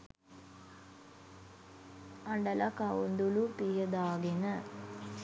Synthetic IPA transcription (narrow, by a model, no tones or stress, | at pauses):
ɐɳɖɐlɐkɐwund̪ulupijɐd̪aːɡenə